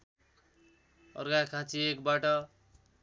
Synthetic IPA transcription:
ʌ̰rɡakʰãt͡siekbaʈʌ

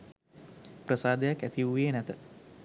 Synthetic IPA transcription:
prəsaːd̪ejakæt̪iʋuʋeːnæt̪ə

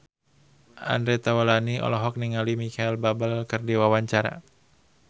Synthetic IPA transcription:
a̰ndɾet̪awalaniɔ̰lɔɦɔk̚niŋalimikailbabalkɨrdiwawaɲt͡ʃaɾa̰

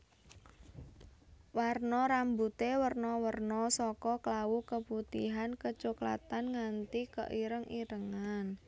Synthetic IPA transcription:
warnɔɾambut̪ewərnɔwərnɔsɔkɔklawukəput̪iɦankət͡ʃukla̰t̪anŋant̪ikə̰ʔiɾəŋʔiɾəŋan

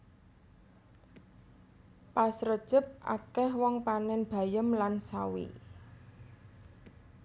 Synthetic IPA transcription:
pasɾəd̥ʒ̥ə̤p̚ʔa̰kɛhwɔŋpanɛnb̥a̤jəmlansawḭ

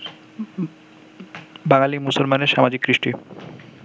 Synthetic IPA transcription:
baŋalimusolmaneɾʃamad͡ʑikːɾiʃʈi

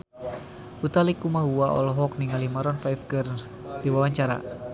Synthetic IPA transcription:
ut̪alikumaɦuaʔɔ̰lɔɦɔk̚niŋalimaɾɔnfajfɡər | diwawaɲt͡ʃaɾa̰

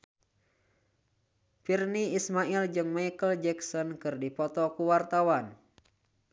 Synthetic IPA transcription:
firniismaild͡ʒɨŋmajkəld͡ʒɛksɔnkɨrdipɔt̪ɔkuwart̪awan

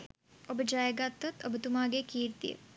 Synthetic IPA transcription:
ɐbʱɐd͡ʒaːeɡat̪ːɐt̪ɐbʱət̪umaːɡeːkiːɾt̪ḭ

